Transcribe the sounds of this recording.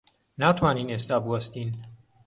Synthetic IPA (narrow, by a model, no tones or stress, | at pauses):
naːt̪ʰwaːniːneːst̪aːbɨwɐst̪iːn